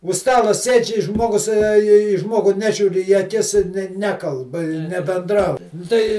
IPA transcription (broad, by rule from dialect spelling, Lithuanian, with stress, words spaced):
ʊʃ ˈstɑːlˠoː ˈsʲeːt͡ʃʲ ɪ ˈʒmoːɡʊs ɐ iː ˈʒmoːɡʊ ˈnʲæːʒʲuːrʲ iː ɐˈkʲɪs ˈnʲæːkɐlˠp ɪ nʲɛbʲɛnˈdrɐʊ ˈtɐɪ